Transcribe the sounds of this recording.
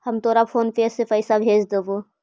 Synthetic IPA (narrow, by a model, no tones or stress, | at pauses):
hɐmt̪ʰoːɾapʰoːnpeːsːɪfəɪsabʱeːd͡ʒd̪ebo